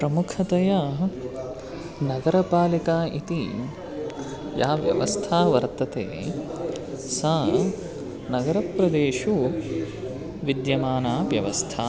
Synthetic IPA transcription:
pɾɐmukʰɐt̪ɐjɐ | nɐɡɐɾɐpaːlikaːʔit̪i | jaːʋjɐ̰ʋɐst̪ʰaːʋɐɾt̪ɐt̪ḛː | sɐ | nɐɡɐɾɐpɾɐd̪eːʃu | ʋid̪jɐmaːnaːʋjɐʋɐst̪ʰaː

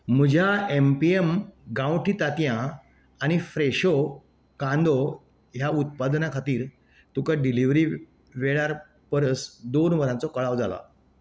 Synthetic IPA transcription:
m̤əd͡ʑʱjaempiemɡãwʈiːt̪at̪jãː | ñifɾeɕo | kãnd̪ɔ | ɦjaut̪̚pad̪nakʰat̪iːɾ | t̪ukaɖiliʋɾiː | ʋeɭaɾ | pəɾəsd̪onʋəɾãt͡sɔkəɭaʋd͡zala̰

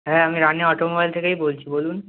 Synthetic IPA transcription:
ɦɛːamiɾaneɔʈomobajlt̪ʰekejbolt͡ɕʰibolun

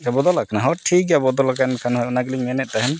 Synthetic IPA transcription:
abɔd̪ɔlakʰanaɦɔʈʰikabɔd̪ɔlakankʰanɦɔjɔnaɡliŋmɛnɛʔ̪̚ˀt̪aɦɛn

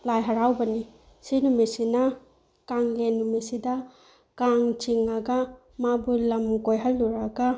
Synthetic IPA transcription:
lajɦaɾawbɐni | sinumisinɐ | kaŋlenːumisidɐ | kaŋt͡ʃiŋɐɡɐ | mabulɐmkojɦalːuɾaɡɐ

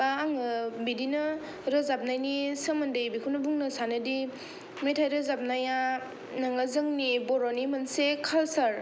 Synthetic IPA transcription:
aaŋɯbidinɐ | ɾɯzap̚najnisəmɐndɯjbikʰunɐbuŋnɐsanɯdi | mejtʰajɾɯzap̚naja | naŋazɯŋnibɔɾonimɐnsekʰalsaɾ

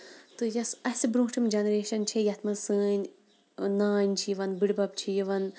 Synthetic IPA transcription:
t̪ɨjɐsɐhʲsibɾũːʈʰimʲd͡ʒɐnɾeːʃɐnt͡ʃʰijɐt̪ʰmɐsɨːɲʲ | naːɲʲt͡ʃʰijiʋɐnbiɽbɐb̚t͡ʃʰijiʋɐn

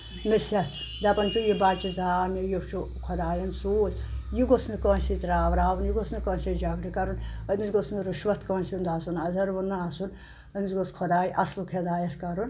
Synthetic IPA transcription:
mesɐt̪ʰ | d̪ɐpɐnt͡ʃʰujibaːlt͡ʃizaːmijopt͡ʃʰu | kʰod̪aːjɐnsoːzjiɡosnɨkɐ̃ːnsit̪ɾaːʋɾaːʋunjiɡosnɨkɐ̃ːnsʲid͡ʒɐɡɾikɐɾunəmisɡosnɨɾiʃʋɐt̪kɐ̃ːnsind̪aːsunɐzɐɾʋunːasun | əmisɡoskʰɔd̪aːjʔɐslukʰed̪aːjɐt̪kɐɾun

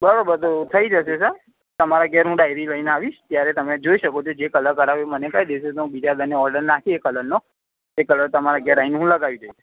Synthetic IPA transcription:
bəɾabəɾt̪ot̪ʰəid͡ʒəʃesə | t̪əmaɾaɡɛɾɦũɖajɾiləineaʋiʃt̪jaɾet̪əmed͡ʒoiʃəkot͡ʃʰod͡ʒekələɾkəɾaʋemənekajd̪eʃet̪oũbid͡ʒad̪əneɔɾɖəɾnat̪ʰiekələɾno | ekələɾt̪əmaɾaɡɛɾainɦũləɡaʋid͡ʒəi

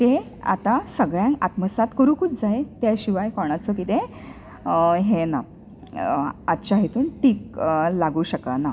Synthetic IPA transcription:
t̪e | a̰t̪asəɡɭjãŋkat̪məsat̪kəɾuːkut͡sd͡zaet̪jaɕiʋajkɔɳat͡sɔkit̪ẽ | ɦena̰ | at̪t͡ɕaɦit̪uːnʈiːk̚laɡuːɕəkana

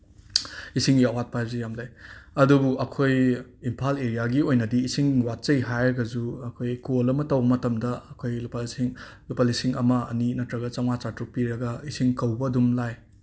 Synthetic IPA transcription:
isiŋɡiɐwat̚pʰajzijamlajɐdubuʔɐkʰojimpʰaleɾijaɡiojnɐdiːsiŋwat̚t͡ʃɐjɦajɾɐɡɐzuɐkʰojkolɐmɐtɐwbɐmɐtɐmdɐɐkʰojlplsiŋlupalisiŋɐmɐɐ̰ninɐtɾɐɡɐt͡ʃaŋat͡ʃatɾuk̚piɾɐɡɐisiŋkɐwbɐdumlaj

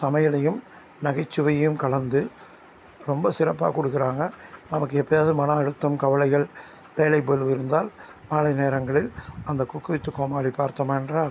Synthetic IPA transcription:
sɐmɐjɐlɐjɯm | nɐɣɐɪt͡ʃːɯʋɐjɐjɯmkɐɭɐnd̪ɯ | ɾɔmbɐsɪɾɐpːa̰ːkɔɽɯkːɪɾaːŋɡɐnɐmɐkːɯɛpːɐjaːðɯmɐnɐɐɽɯt̪ːɐmkɐʋɐlɐɪɣɐɭ | ʋeːlɐɪpɐlɯʋɪɾɯnd̪aːl | maːlɐɪneːɾɐŋɡɐɭɪlɐnd̪ɐkʊkːɯʋɪt̪ːɯkːoːmaːlipaːɾt̪ɐmaːɛndraːl

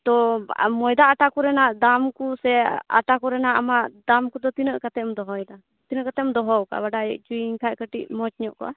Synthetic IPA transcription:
t̪ɔmɔjd̪aːʈakuɾɛnaʔd̪amkusɛa̰ʈakɔɾɛnaʔamaʔd̪amkud̪ɔt̪inəʔkat̪ɛmd̪ɔɦɔjd̪a | t̪inəʔkat̪ɛmd̪ɔɦɔwka̰baɖaɛʔt͡ʃuiiɲkʰaʔkəʈiʔmɔt͡ʃɲɔʔkɔ̰ʔa

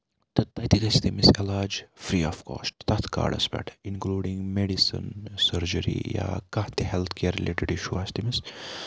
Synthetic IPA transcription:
t̪ɐt̪ɐjt̪iɡɐst̪imisɛlaːd͡ʒfɾiːɔfko̰ːsʈ̚t̪ɐt̪ʰka̰ːɖɐ̰sbɛ̰ʈĩnkluːɖĩŋɡmeɖisə̰nsəɾd͡ʒəɾḭja̰kɐht̪ehɛlt̪ʰkʰeːɾːileːʈiɖiʃuast̪imis

